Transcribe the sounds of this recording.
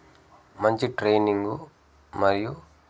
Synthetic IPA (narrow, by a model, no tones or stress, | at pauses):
mɐɲt͡ʃiʈɾejniŋɡu | mɐɾiju